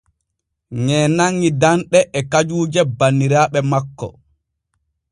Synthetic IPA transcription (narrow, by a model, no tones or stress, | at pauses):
ŋɛːnaŋːidanɗɛʔɛkad͡ʒuːd͡ʒɛbanːiɾaːɓɛmakːɔ̰